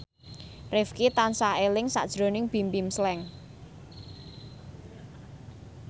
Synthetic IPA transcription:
rɪfkit̪ansaelɪŋsa̰ʔd̥ʒ̥ɾo̤nɪŋb̥i̤mbimslɛŋ

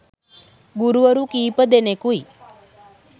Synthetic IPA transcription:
ɡuɾuʋəɾũkiːpəd̪enekui

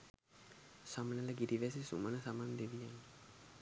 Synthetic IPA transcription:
samənələɡiɾiʋɛsisṵmənəsamand̪eʋijanː

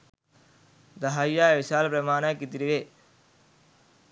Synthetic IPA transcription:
d̪ɐɦaːjːaːeʋɪʃaːlpɾɐmaːnaːkit̪iɾiʋeː

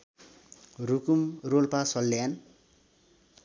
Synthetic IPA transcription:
rukumrolpasʌlːjan

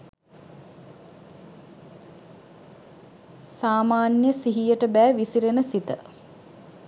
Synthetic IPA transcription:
saːmaːnjəsiɦijəʈəbæːʋisiɾenəsit̪ə

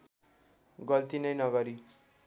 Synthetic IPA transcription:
ɡʌlt̪inʌjnʌɡʌɾi

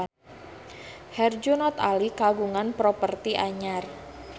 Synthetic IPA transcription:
hɛrd͡ʒunɔt̪alikaɡuŋanpɾopərt̪iʔaɲar

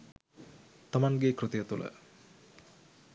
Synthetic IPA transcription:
t̪amanɡekɾɨt̪əjət̪ulʔə̰

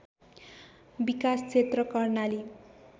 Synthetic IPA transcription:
bikast͡sʰet̪rʌkʌrnali

